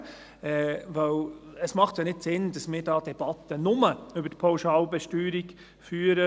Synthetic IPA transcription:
ɛʋœləsmɑχtjɑnɪtsɪndɑsmɪːɾdɑːd̥̪ɛb̥ɑt̪ənʊməʏbətpʰɑʊʃɑːlbɛʃtyːɾiɡ | fyːɾə

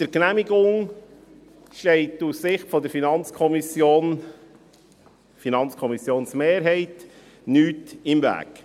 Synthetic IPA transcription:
d̪̥əɾknæmiɡʊŋ | ʃtɛɪtussɪχtfɔd̪əɾfinɑnt͡skʰɔmisjoːn | finɑnt͡skʰɔmisjoːnsmeːɾɦɛɪt | nyːtɪmvæ̰ːk

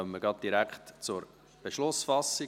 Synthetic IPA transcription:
œmːəɡɑd̚d̥iɾækχtt͡sʊɾ | b̥eʃlʊsfɑsi

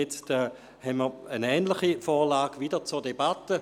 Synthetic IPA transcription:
jɛt͡stɛ | hɛnməːənɛːntlɪχifoːʁlaːɡʋidət͡suɐdebatə

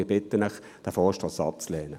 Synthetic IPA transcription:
ɪɐbɪtːənɪχ | d̥ɛfɔːʃtɑːsɑ̰p̚t͡slɛːnə

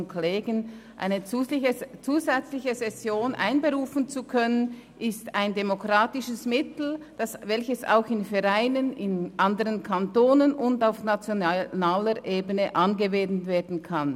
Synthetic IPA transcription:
nkʰleːɡənʔa̰ɪnə | t͡suːzɛt͡slɪçəsɛsjoːnʔa̰ɪnbəʁuːfn̩t͡sukʰœnənʔɪstaɪndemokʁ̥aːtɪʃəsmɪtl̩d̥asvɛlçəsa̰ʊxɪnfɛʁaɪnənɪnʔandəʁənkʰantoːnənʊndaʊfnat͡sjonnaːləɾʔeːbənəʔanɡəveːdn̩veːɐdn̩kʰan

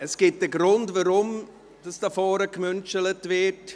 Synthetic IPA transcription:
əsɡ̥ɪt̚dəɡɾʊndvaɾʊm | d̥ɑsd̥ɑfɔːɾəkmʏnt͡ʃələtvɪt

